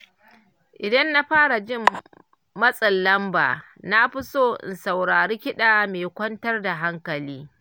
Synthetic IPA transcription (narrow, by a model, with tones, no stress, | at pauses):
ʔɪ˨dɐ˦nːa˦ɸaː˦ɽa˨d͡ʒɪ˦mː | ɐ˦sʼɐ˨lːɐ˦mba̰ː˨ | na˦ɸɪ˦soː˦ʔɪ̰˨nsa˨wɽaː˨ɽiː˦kʲɪ˦ɗaː˨meː˨kʷɐ˦ntɐ˦rda˨ɦa˦ŋkɐ˨liː˦